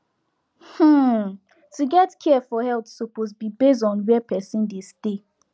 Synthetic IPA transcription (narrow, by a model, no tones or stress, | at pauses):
h̩ | tuɡɛtkʰɛfɔhɛlt̪sopozbibes̬dɔ̃nwɛpɛsĩndeste